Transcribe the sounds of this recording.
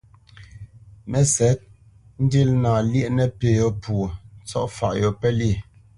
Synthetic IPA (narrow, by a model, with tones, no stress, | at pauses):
mɛ˦sɛ˨˦t̚ | n̩˦di˦lnaː˨ljɛ˦ʔnɛ˦peː˨jɔ˨pʰwo˨t͡sɔ˦ʔfa̰˨ʔjɔ˨pɛ˦li˦˨